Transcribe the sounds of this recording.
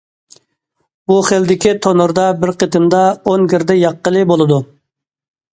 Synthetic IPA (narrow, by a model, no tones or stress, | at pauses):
buχeld̪ɪkʲit̪ʰonuɾd̪ɑbɪɾqət̪ɪmd̪ɑonɡʲɪɾd̪ɛjɑqːəlˠɨbolˠɨd̪u